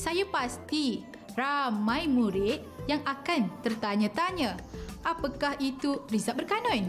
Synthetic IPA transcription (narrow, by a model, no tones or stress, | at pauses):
sajapast̪i | ramãjmũɾɪt̪̚jaŋakant̪ərt̪aɲãt̪aɲə̃ʔapakahit̪urizaʔ̚bərkanɔ̃j